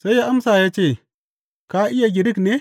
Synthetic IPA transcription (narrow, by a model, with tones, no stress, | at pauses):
sa˦i˦ja˦ʔa˦msa˨ja˦t͡ʃe˦˨ | ka˦i˦ja˦ɡʲi˨ɾi˦kne˦